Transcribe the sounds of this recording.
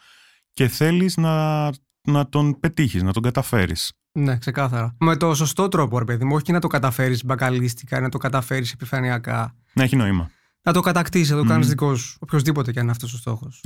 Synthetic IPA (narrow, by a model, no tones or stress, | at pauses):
ce̞θe̞liznɐ | nɐt̪o̞npe̞t̪içiznɐt̪o̞ɡɐt̪ɐfe̞ɾḭs | ne̞kse̞kɐθɐɾɐme̞t̪o̞so̞st̪o̞t̪ɾo̞poɾepeðimuoçiinɐt̪o̞kɐt̪ɐfe̞ɾisbɐkɐlist̪i̥kɐinɐt̪okɐt̪ɐfe̞ɾisepifɐniɐkɐ̰ | neçino̞imɐ̰ | nɐt̪o̞kɐt̪ɐkt̪issnɐt̪okɐnizðiko̞sopçozðipo̞t̪ecɐninɐft̪o̞s̬ost̪o̞̰xo̞s